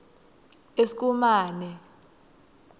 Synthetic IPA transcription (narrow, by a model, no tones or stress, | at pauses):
esi̥k̬ʼumaːnɛ